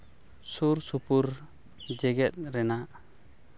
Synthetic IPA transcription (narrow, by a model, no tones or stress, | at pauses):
suɾsupuɾ | d͡ʒɛɡɛt̪̚ɾɛnaʔ